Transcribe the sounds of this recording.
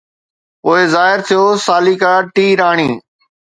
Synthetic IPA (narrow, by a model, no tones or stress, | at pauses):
oːeːzaːɪɾt̪ʰijoːsaːliːkaːʈiːɾaːɳ̃iː